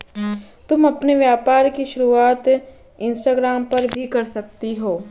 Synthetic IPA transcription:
t̪ʊmɐpneʋjaːpaːɾkiʃʊɾuaːt̪ | ɪ̃nsʈaːɡɾaːmpɐɾbʱikɐɾsɐk̚t̪iɦoː

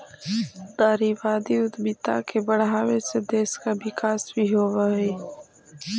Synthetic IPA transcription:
d̪̥aːɾiʋaːd̪iʊd̪bɪt̪a̰kebəɽ̤aːwesed̪eːskabɪkaːsbʱiɦoːwaɦɛː

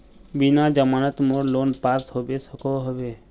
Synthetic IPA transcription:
binad͡ʒəmaːnət̪moɾloːnpaɾt̪ɦobesəkoɦəʋe

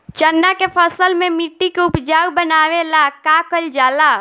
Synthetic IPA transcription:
t͡ʃənːakepʰəsəlmemiʈːikeupd͡ʒaubənaʋelakakəld͡ʒala

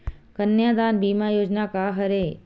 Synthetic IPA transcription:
kənjaːd̪anbiːmãjoːd͡ʒnakaɦəɾe

